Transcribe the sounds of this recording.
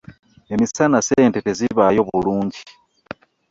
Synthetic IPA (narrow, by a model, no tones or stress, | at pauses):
e̞misanaseːnteteziβajo̞βuluːɲɟi